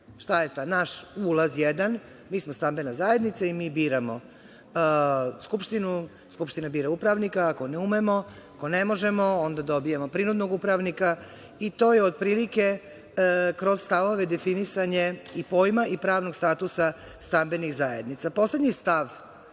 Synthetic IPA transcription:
ʃt̪ajest̪anaʃulˠazjed̪an | miːsmost̪ambenazaje̞d̪nit̪saimiːbiːɾamo | skupʃt̪inu | skupʃt̪inabiːɾaupɾaʋnikaːkoneumemo̞ | akonemo̞ʒemoond̪ad̪o̞bijemo̞pɾinud̪no̞ɡupɾaʋnika | it̪o̞ːjeod̪̚pɾiːlike̞ | kɾo̞zst̪aʋo̞ʋed̪efinisaɲe̞ipo̞jmaʔipɾaːʋno̞ɡst̪aːt̪usa | st̪ambe̞nixzajḛd̪nit̪sapo̞sle̞d̪ɲist̪aʋ

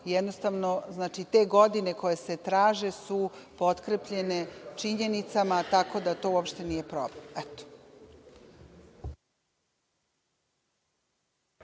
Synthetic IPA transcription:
jɛd̪nost̪aʋno̞znaːt͡ʃit̪e̞ɡo̞d̪ine̞ko̞jese̞t̪ɾaːʒe̞supo̞t̪kɾepʎe̞ne̞t͡ʃiɲe̞nit̪samat̪ako̞d̪at̪o̞uopʃt̪e̞nije̞pɾo̰blemɛt̪o̥

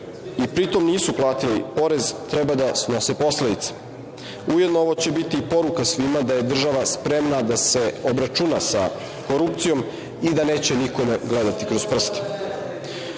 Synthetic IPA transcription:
ipɾit̪o̞mniːsuplˠaːt̪ilipo̞ɾe̞zt̪ɾɛbad̪asno̞sepo̞sled̪it̪se̥ | ujed̪nooʋo̞t͡ɕe̞bit̪iːpo̞ɾukasʋimad̪aje̞d̪r̩ʒaʋaspɾemnad̪ase̞o̞bɾat͡ʃunasa̰ | ko̞ɾup̚t̪sijo̞m | id̪ane̞ːt͡ɕe̞niko̞meɡled̪at̪ikɾozpr̩st̪i̥

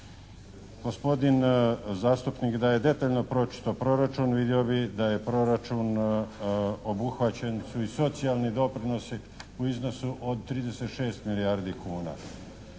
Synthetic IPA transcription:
ɡ̥o̞spo̞d̪inzaːst̪upnikd̪aje̞d̪e̞t̪aːʎno̞pɾo̞t͡ʃi̥t̪opɾo̞ɾat͡ʃunʋid̪io̞bixd̪aje̞pɾo̞ɾat͡ʃun | o̞buxʋat͡ɕensuiso̞t̪sialnid̪o̞pɾino̞si | uizno̞suʔod̪̚t̪ːɾiːd̪e̞set̪ʃe̞ːst̪milijaːɾd̪ikʰuːna̰

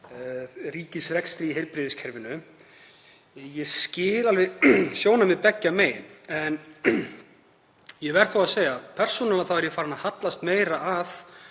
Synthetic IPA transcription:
riːcɪsrɛkst̪ɾiiɦejɾpɾɪðɪscʰɛɾvɪnʏ | jɛscɪːlalvɪsjoːwnamɪðpɛcːameːjɛn | jɛvɛɾ̥θowaðseːjɣapʰɛr̥sunalnaθawɛɾjɛfaːɾɪnːahat̪last̪meːjɾaʔað

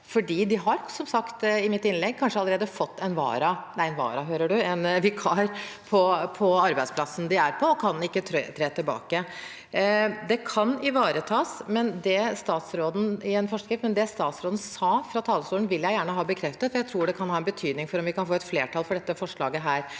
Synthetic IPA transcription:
fɔɖiːd̪ɪɦɑɾsɔmsɑkt̪ɪmɪt̪ːɪnlɛɡ̚kʰɑnʂəɑləɾeːd̪əfɔt̪ːɛnʋɑ̰ːɾɑnæɪɛnʋɑ̰ːɾɑɦøːɾəɖʉɛnʋɪkʰɑɾpʰɔpʰɔɑɾbæɪspʰlɑsn̩d̪ɪæɾpʰɔɔkʰɑnɪkːət̪ʰːt̪ʰɾeːt̪ʰɪlbɑ̰ːkə | d̪ɛkʰɑnɪʋɑːɾət̪ʰɑːsmɛnd̪ɛst̪ɑːt̪sɾoːd̪n̩ɪɛnfɔʂkɾɪft̪mɛnd̪ɛst̪ɑːt̪sɾoːd̪n̩sɑːfɾɑt̪ʰɑːlːəsuːlnʋɪljæɪjæːɳəɦɑːbəkʰɾɛft̪ət̪fɔɾjæɪɾuːɖɛkʰɑnhɑːɛnbət̪ʰyːd̪nɪŋfɔɾɔmʋɪkɑnfoːɛt̪fleːʈʰɑlfɔɖɛt̪ːəfɔʂɭɑːɡəɦæːɾ

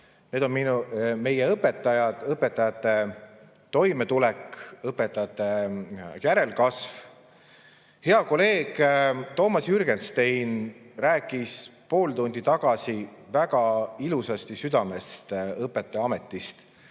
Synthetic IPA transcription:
ne̞ːd̪o̞nminume̞jeɤpːe̞t̪ːˑɑjɑd̪̥ɤpːˑe̞t̪ːˑɑjɑt̪ːˑe̞ | t̪o̞jme̞t̪ulɛkɤpːˑe̞t̪ːˑɑjɑt̪ːˑe̞jæɾe̞lkɑsv | he̞ɑko̞le̞ːɡ̥t̪o̞ːmɑsjyrɡ̥e̞nst̪ejnræːkːˑispo̞ːlt̪und̪̥it̪ɑɡ̥ɑsivæɡ̥ɑilusɑst̪isyd̪ɑme̞st̪ɤpːˑe̞t̪ːˑe̞ɑme̞t̪ːˑist̪

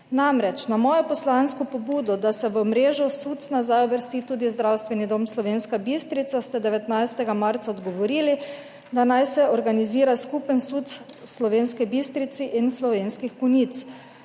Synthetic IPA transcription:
namɾɛt͡ʃnamɔːjɔpɔslanskɔpɔbuːd̪ɔd̪asɛʋəmɾeːʒɔsut̪snazajɔbəɾst̪iːt̪uːd̪izd̪ɾawst̪ʋɛnid̪omslɔʋeːnskabist̪ɾit̪sast̪ɛd̪ɛʋɛt̪najst̪ɛɡamaɾt̪saɔd̪ɡɔʋɔɾiːli | d̪anajsɛɔɾɡaniziːɾaskupənsut̪s | slɔʋeːnskɛbist̪ɾit̪siʔinslɔʋeːnskixkunit̪s

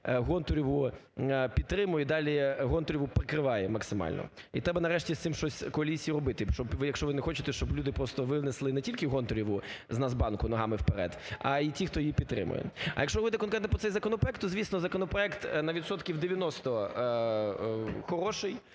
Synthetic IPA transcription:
ɦɔnt̪ʊɾʲiʋʊ | pʲid̪ːɾɪmʊjɛd̪ɑlʲiɦɔnt̪ʊɾʲiʋʊpɾɪkɾɪʋɑjɛmɐksɪmɑ̰lʲnɔ̰ | ḭt̪ɾɛbɐnɐɾɛʃtʲist̪ɪmʃt͡ʃɔsʲkɔɐlʲisʲijiɾɔbɪt̪ɪʃt͡ʃɔbʋɪjɐkʃt͡ʃɔʋɪnɛxɔt͡ʃɪt̪ɛʃt͡ʃɔblʲud̪ɪpɾɔst̪ɔʋɪwneslˠɪnɛtʲilʲkɪɦɔnt̪ʊɾʲiʋʊznazbɑnkʊnɔɦɑmɪwpeɾɛ̰d̪ɐ̰itʲixt̪ɔjɪjipʲid̪t̪ːɾɪ̰mʊ̰jɛ̰ɐ̰jɐkʃt͡ʃɔɾɔbɪt̪ɪkɔnkɾɛt̪npɾɔsɛjzɐkɔnɔpɾɔɛkt̪ːɔzʲʋʲisnɔzɐkɔnɔpɾɔɛkt̪nɐʋʲit̪sɔt̪kʲiwd̪eʋʲjɐnɔst̪ɔ | xɔɾɔʃɪj

